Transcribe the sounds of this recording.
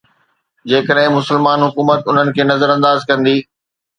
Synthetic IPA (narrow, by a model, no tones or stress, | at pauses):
d͡ʑeːkəɗɦɪ̃mʊsəlmaːnɦʊkuːmət̪ʊn̤ənɪ̆kʰeːnɐzəɾɐ̃nd̪aːzkɐ̃nd̪iː